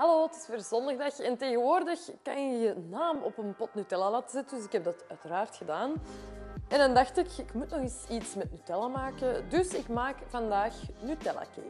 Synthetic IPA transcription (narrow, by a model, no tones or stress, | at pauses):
hɑloːtɪ̥sfoːrzɔndaɣdaxɛnteːɣənʋoːrdəxkɑnəjənaːmɔpənpɔtnytɛlalatəzɛtəndʏsɪkɦɛb̚dɑtœɥtəɾaːrtxədaːn | ɛndɑndɑxtɪkɪkmutnɔxɪsitsmɛtnytɛlamaːkədɵsɪkmaːkvɑndaːxnytɛla̰kḛː